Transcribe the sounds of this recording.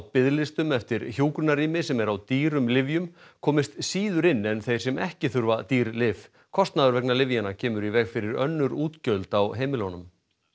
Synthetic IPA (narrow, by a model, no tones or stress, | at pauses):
pɪðlɪst̪ʏmɛft̪ɪɾçjuːkɾʏnariːmɪsɛmɛɾawt̪iːɾʏmlɪvjʏmkʰɔːmɪst̪siːðʏɾɪnːɛnθejr̥sɛmɛhcɪθʏɾvat̪iːɾlɪv | kʰɔst̪naðʏɾvɛknalɪvjanacʰɛːmʏɾivɛɣfɪɾɪɾœ̰nːʏɾuːt̪cœlt̪awɦejmɪlɔnʏm